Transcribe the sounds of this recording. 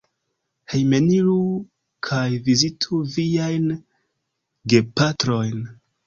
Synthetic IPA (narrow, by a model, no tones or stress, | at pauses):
hejme̞niɾu | kʰajvizitʰuviajn | ɡe̞patɾo̞jn